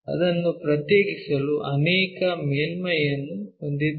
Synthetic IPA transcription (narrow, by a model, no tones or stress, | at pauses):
ɐ̰d̪ɐnːupɾɐt̪jeːɡisɐluʔɐnɛːkɐmeːlmɐjɐnːuond̪id̪